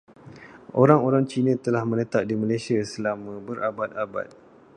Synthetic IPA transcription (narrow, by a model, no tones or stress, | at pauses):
ʔoɾaŋoɾaŋt͡ʃinə̃t̪əlahmə̃nət̪aʔ̚dimalajsiasəlamãbəɾabat̪̚aba̰t̪̚